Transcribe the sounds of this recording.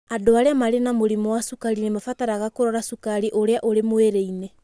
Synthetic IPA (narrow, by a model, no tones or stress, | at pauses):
adoaɾeamaɾenamoɾimowasukaɾinemafataɾaɣakoɾɔɾasukaɾiʔoɾeaʔoɾemoeɾeine